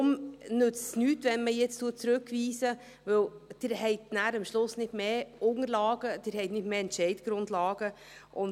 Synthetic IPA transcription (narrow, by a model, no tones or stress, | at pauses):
ʊmnʏt͡ssnyːtvɛnməjɛt͡stuːt̚t͡sɾʉkviːsə | vɪld̥ɪːɾhɛɪtnæːɾəmʃlʊsnɪtmeːʔʊŋəɾlɑːɡ̥əd̥ɪːɾhɛɪtnɪtmeːɛntʃɛɪdɡ̥ɾʊndlɑːɡ̥ə | ʔʊn